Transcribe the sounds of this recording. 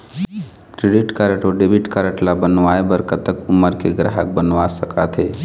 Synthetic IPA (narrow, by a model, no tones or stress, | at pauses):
kɾeɖiʈkaɾəʈoɖeːbɪʈkaɾəʈlabənʋaːebəɾkət̪əkʊməɾkeɡɾa̰ɦək̚bənʋasəkat̪ʰeː